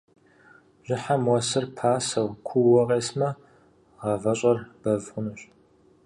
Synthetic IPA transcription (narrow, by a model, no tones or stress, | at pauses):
ʒ̥ɪħamwɐsɨrpʰaːsɐwkʷʰuwɔʁʼeːsmɐ | ʁɐvɐɕʼɐrb̥ɐvʁʷʊnɨɕ